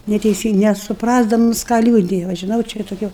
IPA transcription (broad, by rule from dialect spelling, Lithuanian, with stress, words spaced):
nʲɛtʲɛɪˈsʲiːŋk nʲɛsʊˈprɑːzdɐmʊs kɑː ˈlʲuːdʲɪjɛ ʋɐ ʒʲɪˈnɐʊ t͡ʃʲɛ ɪˈrɐ tʊˈkʲɛ